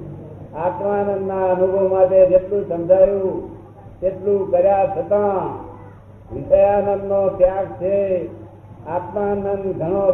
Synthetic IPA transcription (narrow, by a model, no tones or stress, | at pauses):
aːt̪maːnənːanuɡomãt̪ed͡ʒet̪lũsəmd͡ʒaːjũ | t̪et̪lũkəɾjat͡ʃʰət̪ã | ʋɪsəjanənːot̪jãːk̚t͡ʃʰe | at̪maːnənɡʱəɽ̃o